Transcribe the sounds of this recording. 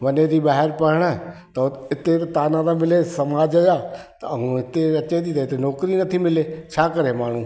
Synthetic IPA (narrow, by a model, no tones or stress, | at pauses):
ʋəneɾiːbaːɦəɾpəɾɳ̃ɛt̪əɪt̪et̪aːnãːɾamɪlesəmaːd͡ʒəjaːt̪əɦũɪt̪eət͡ʃed̪it̪ɪt̪enɔːkɾinət̪ʰimɪleːt͡ʃʰaːkəɾemaːɳ̤ũː